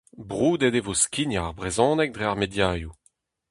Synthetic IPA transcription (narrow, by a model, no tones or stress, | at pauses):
bʁuːd̪ed̪evoskʲinaʁbʁezɔ̃ːnɛk̚d̪ʁeaʁmedjaːju